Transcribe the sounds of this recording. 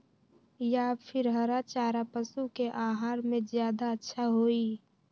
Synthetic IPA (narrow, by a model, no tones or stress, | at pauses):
japʰɪɾɦəɾat͡ʃaːɾapəsukeʔaːɦaːɾmẽzjaːd̪aətːʃʰaɦoːi